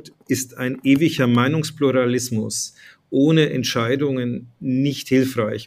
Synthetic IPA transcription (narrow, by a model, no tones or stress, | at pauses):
tʔɪstaɪnʔeːvɪçɐmaɪnʊŋspluʁalɪsmʊs | ʔoːnəʔɛntʃaɪdʊŋənnɪçthɪlfʁ̥aɪç